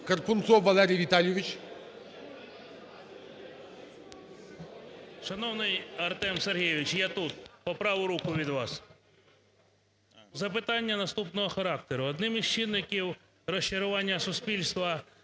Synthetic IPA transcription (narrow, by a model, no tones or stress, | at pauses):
kɐɾpʊnsɔʋɐlˠɛɾʲijʋʲit̪alʲjuʋʲit͡ʃ | ʃɐnɔwnɪjɐrt̪ɛmserɦijʋʲɪt͡ʃjat̪ut̪̚pɔpɾɑʋʊɾukʊʋʲid̪ʋɑs | zɐpɪt̪ɑnʲːɐnɐst̪upnɔɦɔxɐɾɑkt̪eɾʊɔd̪nɪmiz̥t͡ʃɪnːɪkʲiw | rɔʃt͡ʃɪɾʊʋɑnʲːɐsʊspʲilʲst̪ʋɐ